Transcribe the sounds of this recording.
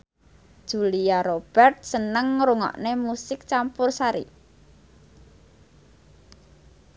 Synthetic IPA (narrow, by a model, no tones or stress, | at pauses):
d̥ʒ̥ṳlijaɾob̥ɛrt̪̚sənəŋruŋɔ̰ʔnemusɪk̚t͡ʃampʊrsaɾḭ